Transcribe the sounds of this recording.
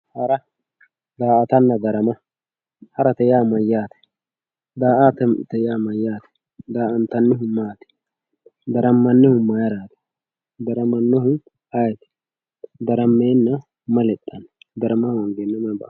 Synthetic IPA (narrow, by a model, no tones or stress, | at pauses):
hɐɾɐ | d̪aːʔɐt̪ɐnːɐd̪ɐɾɐmɐ | hɐɾɐt̪ɛjaːmɐjːaːt̪ɛ̥ | d̪aːʔat̪ɛt̪ɛjaːmɐjːaːt̪ɛ̥ | d̪aːɐnt̪ɐnːɪɦʊmːaːt̪ɛ̥ | d̪ɐɾɐmːɐnːɪhʊmːajɐɾaːt̪ɐ̥ | d̪ɐɾɐmɐnːɔhʊ | ɐjɛt̪ɛ̥ | d̪ɐɾɐmːeːnːɐ | mɐlɛt̪ʼːɐnd̪ɐɾɐmɐɔŋɡeːnːɐmɐbɐ̰